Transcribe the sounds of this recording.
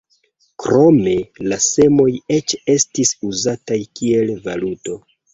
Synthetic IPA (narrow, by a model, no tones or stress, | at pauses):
kɾo̞me̞lase̞mo̞je̞t͡ʃe̞stisuzatajkie̞lvaluto̞